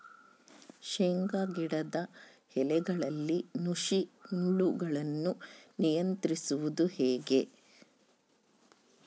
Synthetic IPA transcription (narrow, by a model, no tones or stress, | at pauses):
ʃeŋɡaɡiɽɐd̪ɐ | hɛlɛɡɐɭɐlːinuʂiuɳɖuɡɐɭɐnːunijɐnt̪ɾisuʋud̪uhɛːɡe